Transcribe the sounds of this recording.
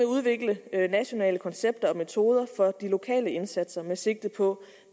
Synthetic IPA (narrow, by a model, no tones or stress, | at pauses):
euðˠʋe̝ɡ̥lənæɕo̝nɛ̰ːləkʰɒ̽nseb̥̚d̥ɐɒ̽me̝t͡sʰo̝ːð̞ˠɐfɒ̽d̥ilo̝kʰɛ̰ːləe̝nsæd̥sɐmese̝ɡ̥̚d̥ð̩ˠpʰɒ̽